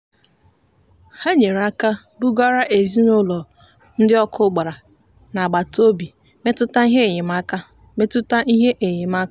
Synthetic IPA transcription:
ha˦ɲe˨ɾa˦ka˦ | bʊ˦ɡa˦ɾa˦ʔe˨zi˦nʊ˦lɔ˨ | n̩˦dɪ˦ɔ˦kʰʊ˦ɡ͡ba˨ɾa˨ | na˨ɡ͡ba˨to˦bi˨ | me˦tʊ˦ta˦i˦ɦe˦˨ɲɪ˨m˦a˦ka˦ | me˦tʊ˦ta˦ʔi˦ɦe˦ʔe˨ɲɪ˨m˦a˦ka˦

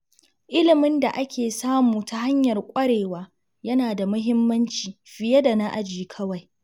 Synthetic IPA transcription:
ʔɪ˦lɪ˨mɪ˦nda˨ʔa˦kʲeː˨saː˦muː˨ta˦ha˦ɲjɐ˨rkʷʼɐ˦ɽeː˨waː˦ | jɐ˦naː˨da˨mʊ˦ɦɪ˦mːɐ˦nt͡ʃiː˨ɸɪ˨jɐ˦da˨na˦ʔa˨d͡ʒiː˨kʰɐ˦wa˨j

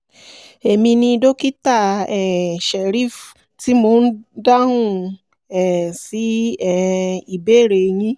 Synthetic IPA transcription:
e˨mĩ˧nĩ˧do˦ki˦ta˦˨ɛ˨ʃɛ˨ɾi˦˨f | ti˨˦mo˧˦n̩˦da˦hũ˦˨ | ɛ˨si˨˦ɛ˨i˨be˦˨ɾe˨˧j̃ĩ˦

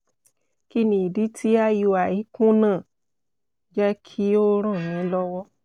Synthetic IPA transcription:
ki˦nĩ˨i˨di˨˦tʰi˦a˦ju˧a˨i˨˦kũ˦nãː˦˨ | d͡ʒɛ˦kʰi˦o˦ɾ̃ɔ̃˦˨nĩ˨˦lɔ˦wɔ˦

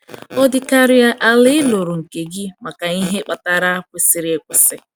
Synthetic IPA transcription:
ɔ˦dɪ˦ka˦ɾɪ˦a˦ʔa˦lɪ˦ɪ˦lo˨ɾo˨ŋ̩˨ke˨ɡɪ˦ma˨ka˨ŋi˦ɦe˦k͡pa˨ta˦ɾa˦kʷe˨sɪ˨ɾɪ˨˦e˦˨kʷɪ˨sɪ˦

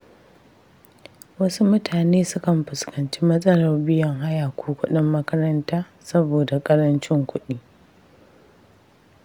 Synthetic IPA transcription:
wɐ˦su˦mʊ˦tʰaː˨neː˦sʊ˦kɐ˨mɸɪ˨skʰɐ˨nt͡ʃiː˦mɐ˦sʼɐ˦lɐ˨rbɪ˦jɐ˨ŋɦa˦jaː˨kʷʰoː˦kʷʊ˦ɗɪ˦mːɐ˦kɐ˦ɾɐ˦ntaː˦ | sɐ˦boː˨da˨kʼɐ˦ɾɐ˦nt͡ʃɪ˦ŋkʷʊ˦ɗiː˦

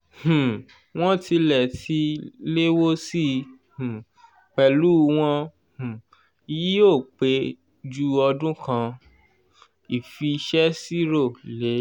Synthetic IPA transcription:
h̩˨ | w̃ɔ̃˦ti˧lɛ˨ti˨˧˦le˦wo˦si˦ | h̩˨ | k͡pɛ˨lu˦w̃ɔ̃˦ | h̩˨ | i˧ji˦o˦˨k͡pe˨˦ | d͡ʒu˦ɔ˧dũ˦kʰã˧ | i˨fi˧ʃɛ˦si˦ɾo˦˨le˨˦

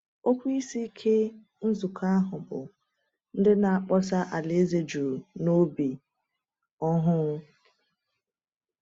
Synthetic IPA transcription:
o˦kʷi˦si˦kʰe˦ | n̩˦zu˨kʰa˦a˦ɦʊ˨bʊ̰˨ | n̩˦dɪ˦na˨a˨k͡pɔ˦sa˦ʔa˨le˨˦e˦ze˦d͡ʒu˨ɾno˦bi˨ | ɔ˦ɦʊ˦ŋʊ˦

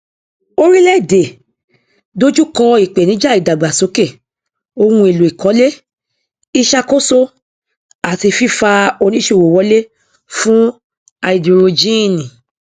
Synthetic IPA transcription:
o˦ɾi˦lɛ˦˨de˨ | do˦d͡ʒu˦kɔ˧i˨k͡pe˨nĩ˨˦d͡ʒa˦˨i˨da˨ɡ͡ba˨so˨˦ke˦˨ | o˧wũ˧˦e˨lu˨i˨kɔ˨˦le˦ | i˧ʃa˧ko˦so˦ | a˨ti˧fi˦fa˧o˧nĩ˦ʃe˧˨wo˨wɔ˧˦le˦ | fũ˦ | a˧i˨du˨ɾo˧d͡ʒĩ˦˨nĩ˨

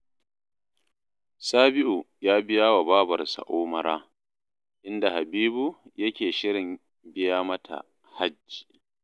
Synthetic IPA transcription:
saː˦bɪ˦ʔu˨ | jaː˦bɪ˦jaː˦wa˨baː˦bɐ˨rsa̰˨ʔoː˦mɐ˨ɾaː˦ | ʔɪ˦nda˨ha˨biː˦bu˨jɐ˦kʲeː˨ʃɪ˦ɽɪ˨m | bɪ˦jaː˦mɐ˦tʰa̰˨ | ha˦d͡ʒːi̥ː˨

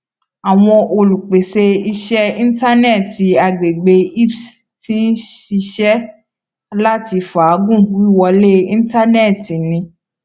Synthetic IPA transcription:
a˨w̃ɔ̃˧ʔo˧lu˨k͡pe˨se˧i˧ʃɛ˦ĩ˦n̩˦ta˦nɛ˦˨ti˨˧a˧ɡ͡be˨ɡ͡be˧i˦ps | ti˦n̩˦ʃi˧ʃɛ˦ | la˦ti˧fa˨˦ɡũ˦˨wi˦˨wɔ˧le˦ĩ˦n̩˦ta˦nɛ˦˨ti˨nĩ˧˦

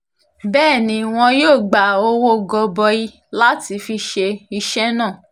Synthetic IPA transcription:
bɛː˦˨nĩ˨˧w̃ɔ̃˧joː˦˨ɡ͡ba˨o˧˦wo˦ɡɔ˧bɔ˧ji˧ | la˦ti˨˧fi˧ʃe˧i˧ʃɛ˦nãː˦˨

